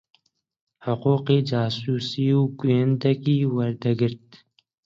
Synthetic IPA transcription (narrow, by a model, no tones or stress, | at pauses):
ħʊquːqiːd͡ʒaːsuːsiːuɡuənd̪ɐkiːwaɾd̪ɐɡɪɾt̪̚